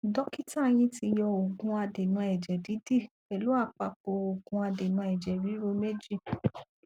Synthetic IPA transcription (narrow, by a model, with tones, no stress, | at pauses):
dɔ˦ki˦ta˦˨j̃ĩ˧ti˧jɔ˧o˨ɡũ˧a˧de˨nũ˧ɛ˨d͡ʒɛ˨di˨˦di˦˨ | ɛ˨lu˦a˦˨k͡pa˧k͡po˧o˨ɡũ˧a˧de˨nũ˨˧˦ɛ˨d͡ʒɛ˨ɾi˨˦ɾo˧˦me˦d͡ʒi˦˨